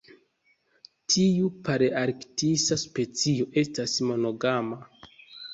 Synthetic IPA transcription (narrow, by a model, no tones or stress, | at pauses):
tʰiupaɾeaɾktisaspe̞t͡sioʔe̞stasmo̞no̞ɡama